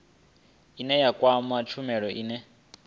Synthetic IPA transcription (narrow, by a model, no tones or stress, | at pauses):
inɛjakʼwamat͡ʃʰumɛɺɔʔiːnɛ